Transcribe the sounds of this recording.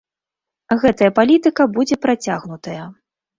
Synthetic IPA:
ɣɛt̪ɐjɐpalʲit̪ɨkɐbud͡zʲɛpɾat͡sʲaɣnut̪ɐjɐ

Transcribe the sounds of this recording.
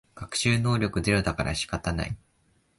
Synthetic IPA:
ɡ̥akɯ̟̥ɕɨːno̞ːɾʲo̞kɯ̟d̪e̞ɾɯ̟d̪akaɾʔa̰ɕi̥kat̪ana̰i

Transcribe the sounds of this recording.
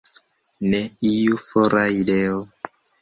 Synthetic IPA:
nɛijufɔɾaidɛɔ

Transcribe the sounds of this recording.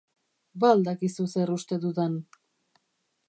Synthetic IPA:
βald̪akisuserust̪eðuðan

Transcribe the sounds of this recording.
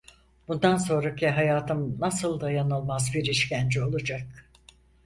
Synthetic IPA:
b̥und̪anso̞nɾacʰiɦajaːt̪ʰɯmnasɯlˠd̪ajanɯlˠmazbiɾiʃcænd͡ʒio̞lˠud͡ʒak̚

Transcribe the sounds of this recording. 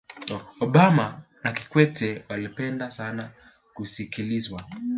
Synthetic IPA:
ɔɓama | nakikwɛtʰɛwalipɛndasana | kusikilizwa

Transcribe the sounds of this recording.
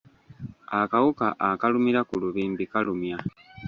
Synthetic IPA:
akawukaʔakalumiɾakuluβiːmbikalumja

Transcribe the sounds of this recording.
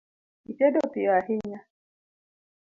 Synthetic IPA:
it͡ʃedopijaɦɪɲa

